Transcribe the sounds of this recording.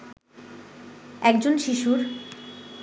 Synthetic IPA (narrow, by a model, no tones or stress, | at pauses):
ɛkd͡ʑonʃiʃuɾ